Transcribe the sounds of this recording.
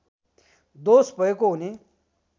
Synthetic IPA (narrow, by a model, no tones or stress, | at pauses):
d̪ospəjkouni